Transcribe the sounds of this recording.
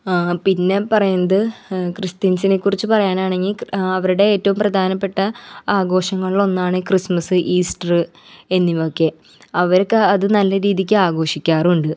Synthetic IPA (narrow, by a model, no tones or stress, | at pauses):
pinːe̞pɐrɐjunːɐðɨkrist̪insinekːurit͡ɕːɨpɐrɐjaːnaːɳe̞ŋɡilɐʋɐɾuɽe̞eːtːɐʋumprɐd̪ʱaːnɐpːe̞ʈːɐaːɡo̞ːʂɐŋːɐɭilo̞nːaːɳɨkrismɐsɨʔiːsʈɐrɨ | e̞nːiʋokːe̞ | ɐʋɐɾkːɐðɨnɐlːɐɾiːðik̬ʲːɨaːɡo̞ːʂikʲːaːruɳɖɨ